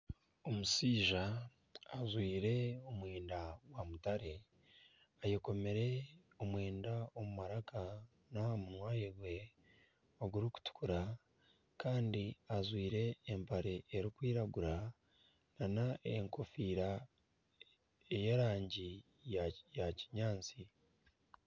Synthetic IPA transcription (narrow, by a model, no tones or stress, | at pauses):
o̞musiːʒaː | zwiːɾe̞omweːndawamutaɾe̞ | ajeko̞me̞ɾe̞ | o̞mweːndaomumaɾaka | namunwaːjeɡwe̞ | oɡuɾiku̥tu̥kuɾa | kaːndiazwiːɾe̞ːmpaɾe̞ːɾikwiːɾaɡuɾa | nanaʔe̞̰ŋko̞fiːɾa | e̞je̞ɾaːɲɟi | jaci̥ɲaːnt͡si